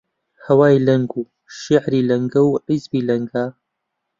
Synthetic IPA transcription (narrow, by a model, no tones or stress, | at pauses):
hɐwaːjlɐŋɡuː | ʃiʕɾiːlɐŋɡɐwʕizbiːlɐŋɡa